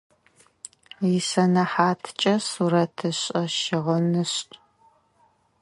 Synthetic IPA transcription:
jɪsɐnɐħaːtʰt͡ʃʼɐsuːɾɐtʰɨɕʼɐʃɪʁənɨɕ

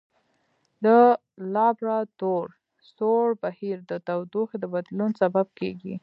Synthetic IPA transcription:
d̪ə | lɑbɾɑt̪oɾ | soɽbahiɾd̪ət̪awd̪oxed̪əbad̪lunsabab̚keɡḭ

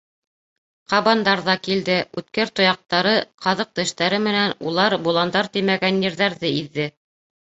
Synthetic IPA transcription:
qɑβɑnd̪ɑɾðɑkild̪ɘʉt̪kæɾt̪ŏjɑq̚t̪ɑɾɤqʰɑðɤq̚t̪ɘ̆ʃt̪æɾɘmɘ̆nænulˠɑɾbulˠɑnd̪ɑɾt̪imæɡænjɘ̆ɾðæɾðɘiðːɘ

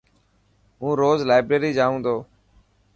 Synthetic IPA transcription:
ɦũːɾoːzlaːɪbɾeːɾiːd͡ʒaːũːnd̪oː

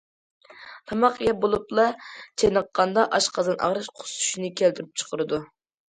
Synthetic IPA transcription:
t̪ʰɑmɑqjɛbolˠuplˠɑt͡ʃʰejnəqːɑnd̪ɑʔɑʃqʰɑzɨnʔɑ̰ʁɾɨʃqʰʊ̥su̥ʃinɨkʲʰælt̪yɾyp̚t͡ʃʰə̥qəɾɨd̪u

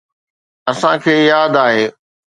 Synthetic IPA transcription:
ɐsãkʰeːjaːd̪aːɦeː

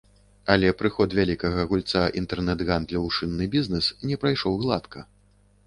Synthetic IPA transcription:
ɐlʲɛpɾɨxɔt̪vʲalʲikɐɣɐɣulʲt̪saḭnt̪ɛrnɛd̪ɣand̪lʲɐwʂɨnːɨbʲiznɛsnʲɛpɾajʂɔwɣlˠat̪kʰɐ

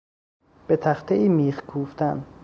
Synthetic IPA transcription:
b̥et̪ʰæxt̪ʰeʔiːmiːxkʰuːft̪ʰæn

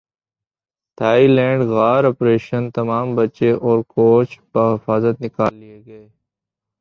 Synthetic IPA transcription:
t̪ʰaːilɛ̃ːɳɖɣaːɾɔːpɾeːʃənt̪ɐmaːmbɐt͡ʃeʔɔːɾkoːt͡ʃbəɦɪfaːzət̪nɪkaːlːijeɡɐeː

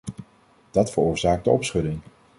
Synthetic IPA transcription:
d̥ɑtfəɹʊːɹzaːɡ̚dəʔɔpsχɵlɪŋ

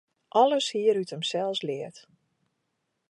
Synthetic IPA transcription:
ʔɔləshiːəɾytəmsɛlˠslɪət

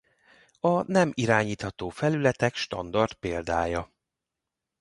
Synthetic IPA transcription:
ɒnɛmiɾaːɲiːt̪hɒt̪oːfɛlylɛt̪ɛkʃt̪ɒ̰nd̪ɒrt̪peːld̪aːjɒ

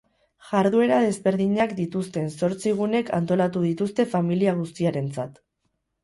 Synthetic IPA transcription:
ʝaɾðue̞ɾaðe̞zβe̞ɾðiɲakd̪it̪ust̪e̞nso̞ɾt͡siɣ̞une̞kʰa̰nt̪o̞lat̪uðit̪ust̪e̞familiaɣ̞ust̪iaɾe̞nt͡sat̪

